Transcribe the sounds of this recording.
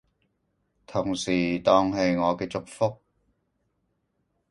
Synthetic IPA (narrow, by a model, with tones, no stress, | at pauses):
t̪ʰʊ˨˩ŋsiː˨˩t̪ɔː˧ŋɦe˧jŋɔː˨˧kɛː˧t͡sʊ˨k̚fʊ˥k̚